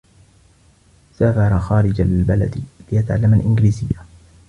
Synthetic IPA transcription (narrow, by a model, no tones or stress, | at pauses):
saːfɑɾˤɑxɑːɾɪd͡ʒalbala̰d̪lɪjat̪aʕa̰lːamalʔɪnɡliːzɪjːa